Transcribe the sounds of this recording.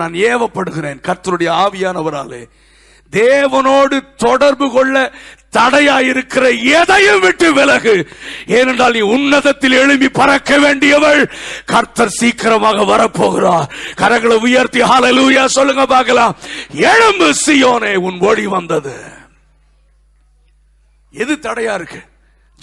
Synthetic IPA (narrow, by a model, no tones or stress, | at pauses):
naːneːʋɐpːɐɽɯɣɪɾeːnkɐɾt̪ːɐɾɯɽɐjɐaːʋɪjaːnɐʋɐɾa̰ːlḛː | d̪eːʋɐnoːɽɯt̪ɔɽɐɾbɯkɔɭːɐt̪ɐɽɐjaːjɪɾɯkːɪrɐɛðɐjɯmʋɪʈːɯʋɪlɐɣɯeːnɛɳdraːlniːʊnːɐðɐt̪ːɪlɛɻɯmbipɐɾɐkːɐʋeːɳɖɪjɐʋɐɻkɐɾt̪ːɐɾsiːkɪɾɐmaːɣɐʋɐɾɐpːoːɣɪraːɾkɐɾɐŋɡɐɭɐʊjaːɾt̪ihaːleluːjaːsɔlːɯŋɡɐpaːɾɣɐlaːɛɻɐmbɯsɪjoːneːʊnɔɻiʋɐnd̪ɐðɯ̰ | ɛðɯt̪ɐɽɐjaːɪɾɯkːɯ̥